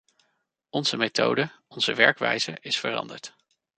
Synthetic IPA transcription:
ɔnz̥əmejtʰo̰wdəɔnz̥əʋɛɹkʋɛjzəɪsfərɑ̰ndəɹt

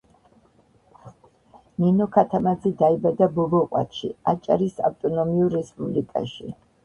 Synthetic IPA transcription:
ninɔkʰat̪ʰamad̪zid̪aibad̪abɔbɔqʼwa̰t̪ʰʃḭat͡ʃʼa̰ɾisa̰ft̪ʼɔnɔmiuɾːɛspʼublikʼa̰ʃḭ

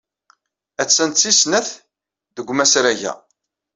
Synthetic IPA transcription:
æt͡sːənt̪sisnæθ | ðəɡʷmæsɾæʝæ̰

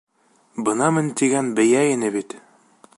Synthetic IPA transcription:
bɤ̆nɑmɘnt̪iɡænbɘ̆jæinɘbit̪

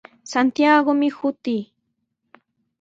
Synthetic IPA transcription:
sant̪jaɡomɪhʊt̪iː

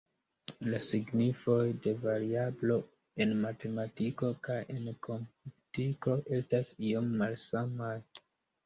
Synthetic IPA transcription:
lasiɡnifo̞jde̞vaɾiablo̞ | e̞nmate̞matiko̞kajʔe̞nkʰo̞mutiko̞ʔe̞stasio̞mːalsamaj

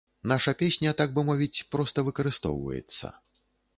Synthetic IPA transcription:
naʂɐpʲesʲnʲɐt̪aɡ̚bɨmɔvʲit͡sʲpɾɔst̪ɐvɨkɐɾɨst̪ɔ̰wvɐ̰jɛ̰t̪sːɐ̰

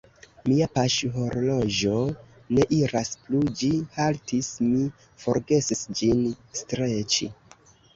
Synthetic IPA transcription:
miapaʃɦoɾlo̞d͡ʒo̞ | ne̞ʔiɾasplud͡ʒihaltismi | fo̞̰ɾɡe̞sisd͡ʒinstɾe̞t͡ʃḭ

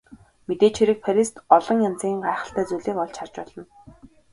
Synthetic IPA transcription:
met̪eːt͡ɕʰxeɾɘ̆k̚fʰæɾist̪ɔɮɞ̆ŋjant͡siːŋɢaːχə̆ɬt̪æːt͡suɮeːkɔɮt͡ɕʰar̥t͡ɕpɔɮ̥ɞ̆n

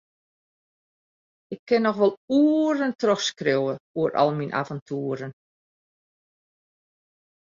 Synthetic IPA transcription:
ɪkʰːɪnːɔxʋɔlˠuːəərəntrøxskrewəuəɾʔɔ̰lˠminʔa̰vɔntʰuəɾən

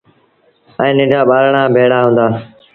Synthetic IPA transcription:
ɛ̃ːnɪ̃ɖaːɓaːɾɳaːbʱeːɽaːɦũːnd̪aː

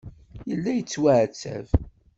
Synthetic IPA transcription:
jəlːæjət͡sːwæʕt͡sːæ̰v

